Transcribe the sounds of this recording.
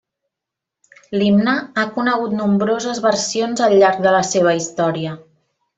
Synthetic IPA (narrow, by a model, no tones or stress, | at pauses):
limnəakunəɣut̪numbɾozəzβərsionzəlˠʎːaɾk̚d̪ələseβ̞əist̪ɔɾiə